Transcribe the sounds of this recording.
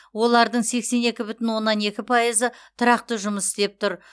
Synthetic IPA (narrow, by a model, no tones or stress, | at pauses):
wo̞lˠɑɾd̪əɴse̞kse̞ne̞kʲɪbʏt̪ɪnwo̞nːɑne̞kʲɪpʰɑjəzət̪ʰʊɾɑq̚t̪əʒʊməsɪst̪e̞p̚t̪ʰʊɾ